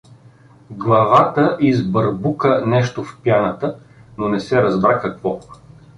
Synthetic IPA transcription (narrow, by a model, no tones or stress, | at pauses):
ɡlˠɐvat̪əʔizbəɾbukənɛʃt̪ofpjanət̪ə | nonɛsɛɾɐzbɾakɐkvɔ